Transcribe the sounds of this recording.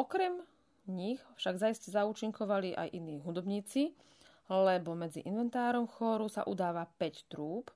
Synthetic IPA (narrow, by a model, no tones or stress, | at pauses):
ʔɔkɾɛm | ɲixfʃaɡvzajscɛzauːt͡ʃiŋkɔʋaliʔa̰jʔiniːɦud̪ɔbɲiːt͡si | lɛbɔmɛd͡zḭʔinʋɛnt̪aːɾɔmxɔɾusa̰ʔud̪aːʋapɛct̪ɾuːp